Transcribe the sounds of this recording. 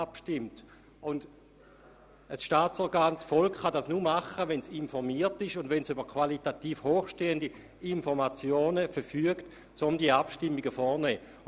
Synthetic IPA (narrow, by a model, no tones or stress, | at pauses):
apʃtɪmt | ʊnd | əsʃtaːt͡sɔɾɡaːnsfɔlkχadasnumaχəʋɛnsinfɔʁmiːɐtɪʃʊndʋɛnsybəkʰʋalitatiːfhoːχʃteːəndi | infɔʁmat͡sjoːnəfɛfyəkt | t͡sʊmdiəapʃtɪmːiɡəfɔːnɛː